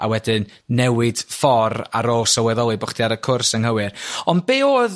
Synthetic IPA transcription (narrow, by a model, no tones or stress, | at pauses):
a̰wɛdɨnː | ɛwɨd̥fɔra̰ɾoːsəwɛðɔlˠɨbɔχd̥iaɾəkʰʊrsəŋhəwɨrɔn̚beːoːð